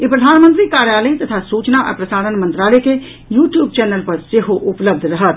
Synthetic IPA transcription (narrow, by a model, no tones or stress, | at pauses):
epɾəd̪ʱaːnmə̃nt̪ɾikaːɾjaːləit̪ət̪ʰasuːt͡ʃnaʔə̰ɾpɾəsaːɾənmə̃nt̪ɾaːleke | juːʈjuːb̚t͡ʃɛːnəlpɐɾseɦoʔʊpləb̚d̪ʱɾəɦət̪̚